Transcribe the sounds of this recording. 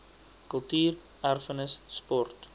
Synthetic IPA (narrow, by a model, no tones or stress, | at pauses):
kəlˠtyːr | ærfənəsːpɔrt